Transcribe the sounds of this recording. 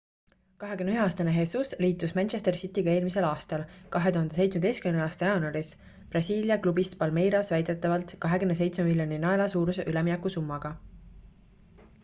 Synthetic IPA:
kɑɦe̞kymneyɦeɑːst̪ɑneɦe̞susliːt̪ːˑusmænʲʃe̞st̪e̞rsit̪ːˑiɡ̥ɑe̞ːlmise̞lɑːst̪ɑlkɑɦe̞t̪uhɑnd̪e̞se̞jt̪sme̥ejst̪kymneɑːst̪ɑjɑnuɑɾis | prɑsʲiːljɑklubist̪pɑlme̞jɾɑsvæjd̪̥e̞t̪ːˑɑvɑlt̪kɑɦe̞ɡymne̞s̬e̞jt̪smemilʲjoninɑelɑsuːɾuseʔyleminɛkˑːusumːɑɡ̥ɑ

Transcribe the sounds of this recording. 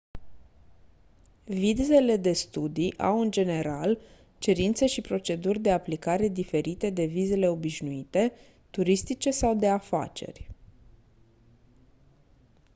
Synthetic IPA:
vid̪ze̞le̞d̪e̞st̪ud̪iʔa̰wɨnd͡ʒe̞ne̞ɾal | t͡ʃe̞ɾint̪se̞ʃipɾo̞t͡ʃe̞d̪urʲd̪e̞aplikaɾe̞d̪ife̞ɾit̪e̞d̪e̞vize̞le̞o̞biʃnuit̪e̞ | t̪uɾist̪it͡ʃe̞sawd̪e̞afa̰t͡ʃe̞̰rʲ

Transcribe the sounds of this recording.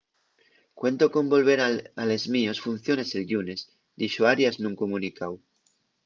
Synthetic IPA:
kwẽ̞nt̪oko̞mbo̞lβe̞ɾaale̞zmio̞sfun̟θjoneselʎunes | d̪iʃoaɾjazmeuŋkomũnikaw

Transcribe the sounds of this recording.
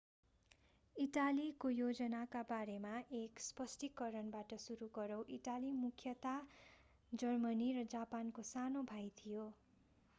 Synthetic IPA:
iʈalikojod͡zʌnakabaɾemaʔekspʌsʈikːʌɾʌnbaʈʌsuɾuɡʌɾʌw̃ʔiʈalimukʰjʌt̪a | d͡zʌrmʌnirʌd͡zapankosanobʱajt̪ʰijo

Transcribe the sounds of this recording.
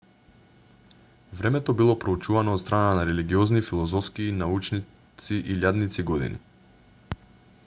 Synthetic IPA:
vɾɛmɛt̪ɔbilˠɔpɾout͡ʃuvanɔːt̪st̪ɾananaɾɛliɡiɔznifilˠɔzɔfskiːnaut͡ʃni | t̪siʔilʲad̪nit̪siɡɔd̪ḭnḭ

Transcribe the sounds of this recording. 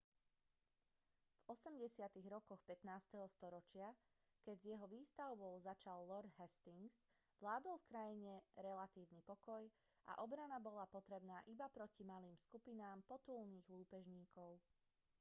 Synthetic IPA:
v̥ɔsɛmɟɛsɪat̪iɣɾɔkɔxpɛt̪naːst̪ɛɦɔst̪ɔɾɔt͡ʃɪa | kɛɟzjɛɦɔʋiːst̪aʊbɔʊzat͡ʃalːɔɾd̪ɦɛst̪iŋɡs | ʋlaːd̪ɔlfkɾajiɲɛɾɛlat̪iːʊnipɔkɔj | ʔa̰ʔɔbɾanabɔlapɔt̪ɾɛbnaːʔibapɾɔcimaliːmskupinaːmpɔt̪ulniːɣluːpɛʒɲiːkɔʊ

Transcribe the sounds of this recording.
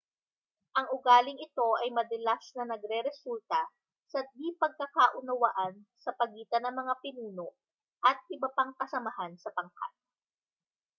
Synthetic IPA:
ʔɐŋʊɡaːlɪŋɪt̪o̞ʔɐjmɐd̪ɐlasnɐnɐɡɾɛɾɛsult̪ɐ | sɐd̪ipɐɡ̚kɐkaːʔʊnɐwaʔɐnsɐpɐɡiːt̪ɐnɐŋmɐŋapɪnuːno | ʔɐt̪̚ʔɪbɐpaŋkɐsɐmɐɦansɐpɐŋka̰t̪̚

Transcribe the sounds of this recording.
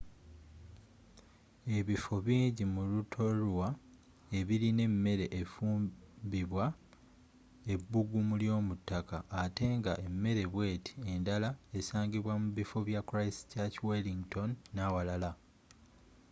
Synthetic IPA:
e̞βifo̞βiːɲɟimulutʰo̞ɾwa | e̞βiɾine̞mːe̞ɾe̞ʔːfuːmbiβwa | e̞bːuɡumuljo̞ːmutːakaːte̞ːŋɡaʔe̞mːe̞ɾe̞βwe̞ːtʰi̥e̞ndalae̞saːŋɡiβwamuβifo̞βjakuɾajsi̥caciweliŋɡto̞nːawalala

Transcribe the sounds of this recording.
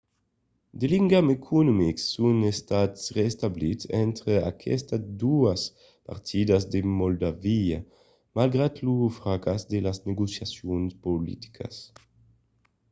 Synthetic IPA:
d̪eliŋɡamekʰunumiksːunest̪at̪srest̪ablisɛnt̪ɾea̰kʰɛst̪ad̪uas | pa̰ɾt̪ʰid̪azd̪emold̪avia | malɡɾat̪lufɾakasd̪elazneɡosjasjonspolḭt̪i̥kʰa̰s

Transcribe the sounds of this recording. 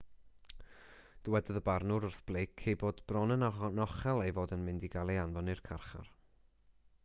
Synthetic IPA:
d̥əwɛdɔðəbarnʊɾʊrθb̥lˠejkʰːejboːdb̥rɔnɛnanɔχɛlˠejvoːdənmɪndiɡalˠeanvɔnɪrkʰarχa̰r

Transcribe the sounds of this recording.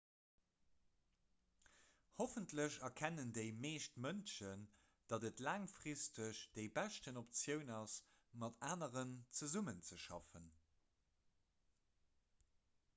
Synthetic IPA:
hofəntləɕɐkʰænəndəɪmeːʃtmənʃən | d̥ɑdətlaːŋfʁistəɕd̥eɪbæʃtənop̚t͡sjəʊnɑs | mɑtaːnəʁənt͡səzumənt͡səʃɑfən

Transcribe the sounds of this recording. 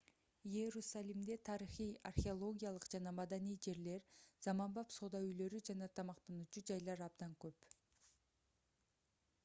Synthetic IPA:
jeɾusalʲimd̪e̞t̪ʰɑɾiχijarχʲeolˠo̞ɡʲijalˠɯqd͡ʒɑnɑmɑd̪anijd͡ʒe̞ɾle̞ɾz̥ɑmɑnbɑpso̞ːd̪ɑyjlø̞ɾyd͡ʒɑnɑt̪ʰɑmɑqt̪ɑnut͡ʃud͡ʒɑjlˠɑɾɑbd̪ɑŋkøp

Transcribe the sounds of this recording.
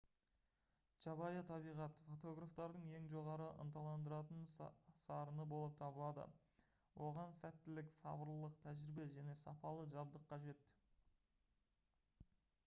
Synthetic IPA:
t͡ʃɑbɑjɑt̪ʰɑbijʁɑt̪fo̞t̪o̞ɡraft̪ɑɾd̪əɴe̞ŋʒo̞ʁɑɾəʔə̰nt̪ɑlˠɑnd̪əɾɑt̪ənsɑɾənəbo̞lˠəp̚t̪ʰɑbəlˠɑd̪ə̰ | wʔo̞ʁɑnsæt̪ːɪlɪksɑ̰bəɾlˠəqt̪ʰæʒɪɾɪbe̞ʒæne̞sɑpɑlˠəʒɑbd̪əqʰːɑʒe̞t̪

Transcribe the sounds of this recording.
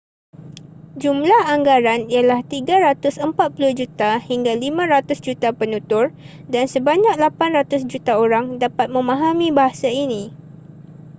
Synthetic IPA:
d͡ʒumlahaŋɡaɾanialaht̪iɡaɾat̪ʊsəmpat̪̚pulʊhd͡ʒut̪ahiŋɡalimãɾat̪ʊsd͡ʒut̪apənũt̪ʊr | dansəbaɲãk̚lapanrat̪ʊsd͡ʒut̪aoɾaŋdapat̪̚mə̃mãɦamĩbaɦasainĩ

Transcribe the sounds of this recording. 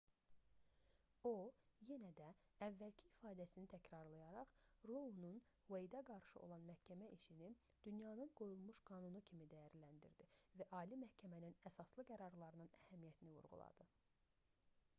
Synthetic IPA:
oje̞næd̪æævːælcʰiːfɑːd̪æsinit̪ʰæcʰɾɑɾlˠɑjɑɾɑχɾounun | vejd̪ɑɡɑɾʃɯʔo̞̰lˠɑnmæhcʰæmæʔiʃini | d̪̥ynjɑnɯnɡo̞julˠmuʃɡ̥ɑːnunucʰimid̪æjæɾlænd̪iɾd̪ivæʔɑːlimæhcʰæmæninæsɑslˠɯɡæɾɑɾlˠɑɾɯnɯnæhæmijæt̪ʰinivṵɾʁṵlˠɑ̰d̪̥ɯ

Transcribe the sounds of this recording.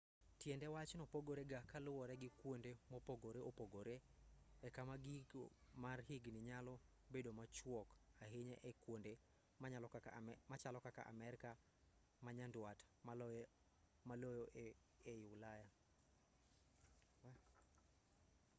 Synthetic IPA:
tjɛndɛwat͡ʃnɔpoɡoɾeɡakalʊwɔɾɛɡɪkwondemɔpoɡoɾeopoɡoɾeɛkamaɡiɡomarhiɡnɪɲalɔ | bedomat͡ʃwɔkaɦeɲɛ̰ʔɛkwonde | alɔmat͡ʃalɔkaka̰ʔa̰mɛɾɪka | maɲandwatm | malojoʔ | ejʊlaja

